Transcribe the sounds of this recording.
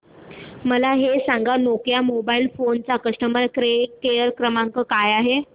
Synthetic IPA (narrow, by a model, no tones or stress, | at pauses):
məlaɦesaŋɡanokjamobailfont͡sakəʂʈəməɾkɾekeəɾkɾəmãŋkəkajaɦe